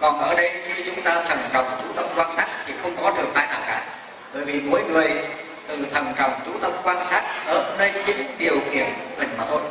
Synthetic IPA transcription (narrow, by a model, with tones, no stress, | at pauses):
kɔ˨˩nʔəː˧˩ɗə˧jxi˧t͡ɕʊ˨˦ŋ͡mt̪aː˧t̪ʰə˨˩ŋt͡ɕɔ̰˨˩wŋ͡mt͡ɕu˨˧˦t̪ə˧mkwaː˧nsaː˦˥t̚t͡ɕʰḭ˧˩xə˧wŋ͡mkɔ˨˦ɗɨ˨˩ək̚faː˧jnaː˨˩wka̰ː˧˩ | ɓəː˧˩jvi˨˩mo̰˧˥jŋɨ˨˩əj | t̪ɨ˨˩t̪ʰə˨˩ŋt͡ɕə̰˨˩wŋ͡mt͡ɕu˨˦t̪ə˧mkwaː˧nsaː˦˥t̚ʔəː˨˩nəː˧jt͡ɕï˨˦ŋ̟ɗi˨˩əwkḭ˨˩ənkṵ˧˩mï˨˩ŋ̟maː˨˩t̪ʰo˧j